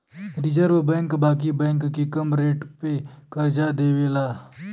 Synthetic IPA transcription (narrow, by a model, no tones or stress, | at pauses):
ɾid͡ʒəɾʋəbɛ̃ːŋkbaːkibɛ̃ːŋkːikəmɾeːʈpekəɾd͡ʒad̪eːweːlaː